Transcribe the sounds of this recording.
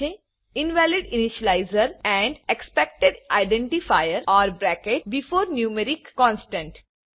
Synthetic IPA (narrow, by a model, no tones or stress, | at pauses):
e | ɪ̃nʋɛːlɪɖɪnɪʃəlaɪzəɾɛ̃ɳɖekspɛk̚ʈeɖʔaɪɖɛ̃ɳʈifaɪəɾɔːɾbɾækeʈ̚bɪfoːɾnjũːməɾɪkkɔ̃ːnsʈə̃ɳʈ